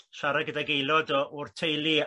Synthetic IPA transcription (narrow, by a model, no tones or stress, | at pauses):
ʃaɾaɡədaɡejlˠɔdɔʔʊrtʰejlˠi